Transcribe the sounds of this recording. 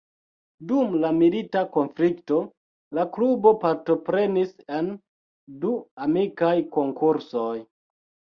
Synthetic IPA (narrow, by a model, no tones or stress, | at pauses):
dumlamilitako̞nflikto̞ | laklubo̞paɾto̞pɾe̞nisen | duamikajko̞ŋkuɾsoj